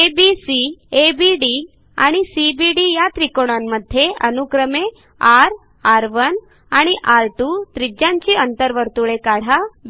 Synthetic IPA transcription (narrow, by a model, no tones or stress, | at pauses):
ebisiebiɖi | a̰ɽ̃isibiɽijat̪ɾikoɽ̃amːəd̪ʱːjeʔənukɾəme | aɾ | aɾʋən | aɽ̃iʔaɾʈut̪ɾid͡ʑãɲt͡ɕiənt̪əɾʋəɾt̪uɭekaɽ̤aʋ